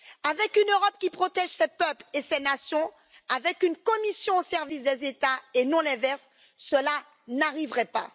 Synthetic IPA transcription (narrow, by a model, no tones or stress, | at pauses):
avɛkynøʁɔp̚kʲipχɔt̪ɛʒsɛpœplesɛnasjɔ̃ | avɛkynkɔmisjɔ̃osɛʁvis̬d̪ɛzet̪aenɔ̃lɛ̃vɛʁsː | əla | naʁivʁɛpa̰